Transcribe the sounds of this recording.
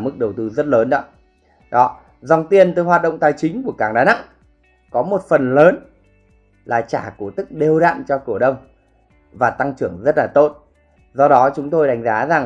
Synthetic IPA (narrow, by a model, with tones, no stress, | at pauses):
mɨ˦˥k̚ɗə˨˩wt̪ɨ˨˧˦zə˦˥t̚ləː˨˦nɗɔ˨˦ | ɗɔ˨˦ | za˨˧˩wŋ͡mt̪i˧ənt̪ɨ˨˦hwaː˨˩t̚ɗə̰˧˨wŋ͡mt̪aː˨˩jt͡ɕï˨˦ŋ̟ku˧˩əkaː˧˩ŋɗaː˨˦na̰˧˨ŋ | kɔ˨˦mo˨˩t̚fə˨˩nləː˨˦n | laː˨˩t͡ɕa̰ː˧˩ku˧˩ət̪ɨ˦˥k̚ɗe˨˩wɗa̰ː˧˨mt͡ɕɔ˧kɨ˧˩əɗə˧wŋ͡m | vaː˨˩t̪a˧ŋt͡ɕɨ˧˩əŋzə˦˥t̚laː˨˩t̪o˦˥t̚ | zɔ˧ɗɔ˨˦t͡ɕʊ˨˦ŋ͡mt̪o˧jɗa˨˦jŋ̟zaː˨˦za˨˩ŋ